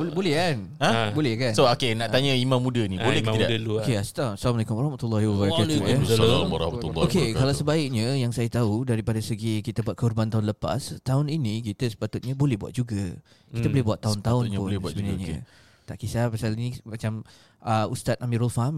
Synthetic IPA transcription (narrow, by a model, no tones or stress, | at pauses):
bolɛhkanãbolɛhkansookenaʔ̪aɲəimãmːũdənibolɛkəidaokeast̪asalamalekʊmwaɾɑhmat̪ulːɑhiwabaɾaualaɾɔ̰hmat̪ulːokekalawsəbaɪk̚ɲəjaŋsajat̪audaɾipadasəɡikit̪abuat̪̚kəhurbant̪aʊnləpa̰st̪aʊninik̬it̪əsə̥pat̪ʊt̪̚ɲabolɛhbuat̪̚d͡ʒuɡa | kit̪abolɛɦbuat̪ːaʊnt̪aʊnpʊndunaɲə̰ | t̪aʔkisapasalinimat͡ʃam | ʔəust̪at̪̚amĩɾɔlfam